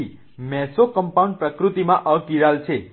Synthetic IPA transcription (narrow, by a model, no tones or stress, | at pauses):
i | mɛsokəmpauɳɖ̚pɾəkɾut̪imãʔəkiɾalt͡ʃʰe